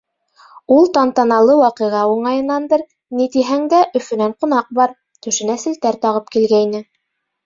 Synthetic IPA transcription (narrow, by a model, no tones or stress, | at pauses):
ulˠt̪ɑnt̪ɑnɑlˠɤwɑqɤ̆ʁɑuɴɑjɤ̆nːɑnd̪ɤɾ | nit̪iɦæŋd̪æʔɵ̆fɵ̆næɴqun̪ɑq̚bɑɾ | t̪ʉ̆ʃɘ̆næsɘ̆lt̪æɾt̪ɑʁɤp̚kilɡæjnɘ